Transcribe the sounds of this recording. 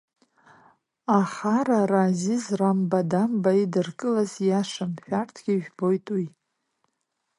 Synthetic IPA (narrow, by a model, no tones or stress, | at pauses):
aχaɾarazizrambadambaidɨrkʼɨlazjaʂamħᶣartʰɡʲiʒᶣbo̞jtʼwi